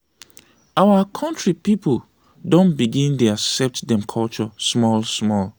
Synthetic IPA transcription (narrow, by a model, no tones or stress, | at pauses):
awakʰɔ̃ntɹipipl | dõnbiɡĩnteaksɛp̚tdɛ̃mkʰɔlt͡ʃɔsmɔlsmɔl